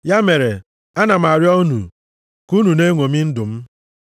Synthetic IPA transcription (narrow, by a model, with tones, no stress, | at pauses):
ja˦me˨ɾe˨ | a˦na˨m̩˨a˨ɾjɔ˦nṵ˨ | ku˦nu˨ne˦ŋʷo˨mi˦n̩˦dʊ˨m̩˦